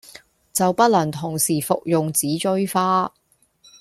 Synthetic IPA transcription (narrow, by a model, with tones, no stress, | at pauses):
t͡sɐ˨wpɐ˥t̚lɐ˨˩ŋt̪ʰʊ˨˩ŋsiː˨˩fʊ̰˨k̚jʊ˨ŋt͡siː˨˥t͡ʃɵ˥ɥfaː˥